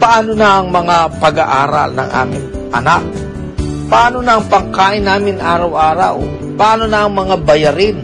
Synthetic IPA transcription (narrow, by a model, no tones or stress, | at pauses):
pɐʔaːnonaʔɐŋmɐŋapɐɡaʔa̰ːɾɐ̰lnɐ̰ŋʔa̰ːmɪŋ | ʔɐnak̚ | pɐʔaːnonaʔɐŋpɐŋkaːʔɪnːaːmɪnʔaːɾɐwʔaːɾa̰w | pɐʔaːnonaʔɐŋmɐŋabɐjɐɾɪn